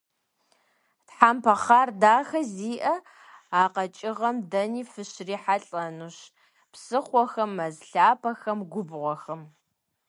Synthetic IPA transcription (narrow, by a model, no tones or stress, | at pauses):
tħaːmpʰɐχaːrdaːxɐziːʔɐ | aːqɐt͡ʃʼɪʁɐmdɐniːfɨɕriːħaɬʼɐnuɕ | psɨχʷɔxɐmːɐzɬaːpʰɐxɐmɡʷʊbʁʷɔxɐm